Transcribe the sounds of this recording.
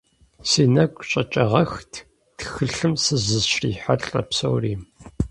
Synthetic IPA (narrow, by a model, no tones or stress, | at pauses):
siːnɐɡʷʼɕʼɐt͡ʃʼɐʁɐxtʰ | txɨɬɨmsɨzɨzʃrḭːħaɬʼɐ̰psɐ̰wriːm